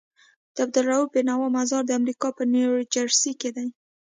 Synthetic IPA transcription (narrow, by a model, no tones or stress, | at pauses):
d̪̥əab̚d̪əlɾaubenawɑmazɑɾd̪əamɾikɑpəneɾd͡ʒaɾsiked̪aj